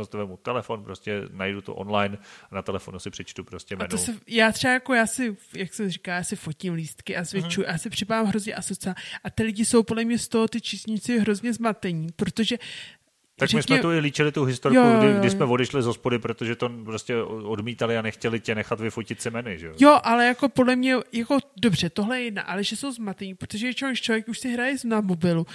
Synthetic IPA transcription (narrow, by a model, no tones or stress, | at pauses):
ost̪vɛmut̪ɛlɛfo̞npɾoscɛnajdut̪o̰ʔo̰nlajnanat̪ɛlɛfo̞nusɪpr̥ɛt͡ʃt̪upɾoscɛmaɛnosɛjaːt̪r̥ɛajakojaːsɪjaksɛmrikaljaːsɪfo̞cɪmliːst̪kɪʔazvɪt͡ʃujʔa̰jaːsɪpr̝̥ɪpavaːmɦɾo̞zɲɛʔasot͡saʔat̪ɪlɪɟɪso̞wpodlɛmɲɛst̪oɦo̞t̪ɪt͡ʃiːsɲit͡sɪɦɾo̞zɲɛzmat̪ɛɲipɾot̪o̞ʒɛ | akrɛmɪsɲmɛt̪uɪliːt͡ʃɪlɪt̪uɦɪst̪oɾjoujɡɪjɡodɪsmɛvo̞dɛʃlɪzospodɪpɾot̪oʒɛt̪o̞pɾoscɛodmiːt̪alɪanɛxcɛlɪcɛnɛxat̪vɪfocɪt̪sɪmɛnɪʒɛ̰ojo̞ʔalɛjako̞podlɛmɲɛjako̞do̞br̝̥ɛt̪o̞ɦlɛjɛjɛdna̰ʔalɛʒɛso̞wzmat̪ɛɲiːpɾot̪o̞ʒɛvjɛt͡ʃɛɦoɪʃt͡ʃlovjɛkʔuʃsɪɦɾajɛznavmo̞bɪlu